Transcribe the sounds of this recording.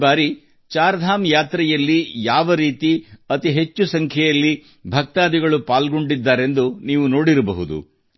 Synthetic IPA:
baːɾi | t͡ʃaːɾd̪ʱaːmjaːt̪ɾɛjɐlːijaːʋɐɾiːt̪iɐt̪iɦet͡ʃːusɐŋkʰjɛjɐlːi | bʱɐk̚t̪aːd̪iɡɐɭupaːlɡo̞ɳɖid̪ːaːɾe̞nd̪uniːʋuno̞ːɽiɾɐbɐɦud̪ṵ

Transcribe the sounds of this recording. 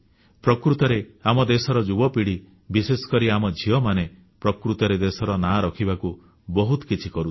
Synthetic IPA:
pɾɔkɾut̪ɔɾeamɔd̪esɔɾɔd͡ʒubɔpiɽi | bisesɔ̥kɔɾiamɔd͡ʒʱiɔmane | pɾɔkɾut̪ɔɾed̪esɔɾɔnaɾɔkʰibaku | bɔɦut̪ɔ̥kit͡ʃʰikɔɾu̥

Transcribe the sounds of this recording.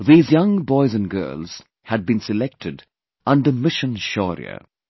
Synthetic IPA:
ðiːzjʌ̃ŋbɔɪzɨ̃nɡɜ̰ːlˠz̥ | hɨd̚bĩnsɨlɛk̚tʰɨd | ʌ̃ndəmɪʃɨ̃nʃɔ̰ɹḭə̰

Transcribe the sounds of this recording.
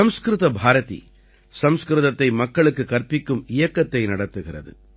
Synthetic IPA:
ɐmskɾɯðɐbʱaːɾɐt̪ḭ | sɐmskɾɯðɐt̪ːɐɪmɐkːɐɭɯkːɯkɐrpɪkːɯmɪjɐkːɐt̪ːɐɪnɐɽɐt̪ːɯɣɪrɐ̰ðɯ̰

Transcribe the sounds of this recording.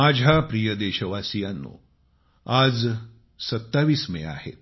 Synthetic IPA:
mad͡ʑʱapɾijəd̪eɕəʋasijanːo̰ | ad͡z | sət̪ːaʋiːsmḛa̰hḛt̪̚

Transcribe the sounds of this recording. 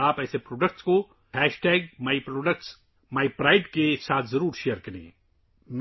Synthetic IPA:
aːpɛːsepɾoːɖək̚ʈsko | hɛːʃʈɛːɡ̚maːipɾoːɖək̚ʈs | maːipɾaːɪɖkesaːt̪ʰzɐɾuːɾʃeːəɾkɐɾḛ̃ː | m

